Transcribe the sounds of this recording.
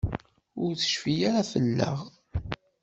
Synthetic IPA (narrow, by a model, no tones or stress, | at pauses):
ʊɾθə̥ʃfijaɾafəlːə̰ʁ